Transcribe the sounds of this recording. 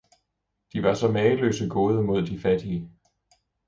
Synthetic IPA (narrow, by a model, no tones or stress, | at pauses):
d̥iʋɑ̈sɒ̽mɛːəlø̰ːsəɡ̥oːð̞ˠəmo̝ð̞̰ˠd̥ifæd̥iə